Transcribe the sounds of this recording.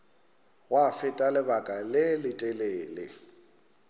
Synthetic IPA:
ɣwafɪtʼalɪbakʼalɪlɪtʼɛleːlɪ̰

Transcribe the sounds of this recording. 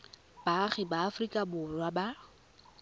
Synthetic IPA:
baχɪbaːfrikʼabʊrwaba

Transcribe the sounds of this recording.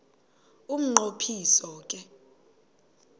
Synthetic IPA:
um̩ŋ͡ǃopʰisɔːk̬ʼɛ

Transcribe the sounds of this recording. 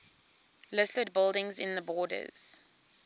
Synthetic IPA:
lɪstəd̚bɪlˠdɪ̃ŋzɪ̰̃nðəbɔːdə̰z̥

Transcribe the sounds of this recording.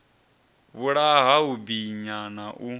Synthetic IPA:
βuɺaɦaubiɲanaʔu

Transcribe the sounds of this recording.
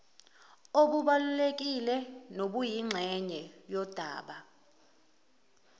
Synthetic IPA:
oɓuɓalulek̬ʼilɛnoɓujiŋ͡ǁʱɛɲɛjɔd̥ʱa̰ːɓa

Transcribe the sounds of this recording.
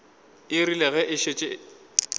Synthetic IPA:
ɪrilɛɣɛʔɪʃet͡ʃʼe

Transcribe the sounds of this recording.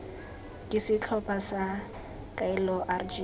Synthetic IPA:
kʼɪsɪt͡ɬʰɔpʼasa | kʼailɔʔard͡ʒi

